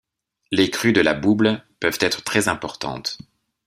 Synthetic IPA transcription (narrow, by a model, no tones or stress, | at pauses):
lekχyd̪əlabublpœv̥t̪ɛt̪χə̥t̪χɛzɛ̃pɔʁt̪ɑ̰̃t̪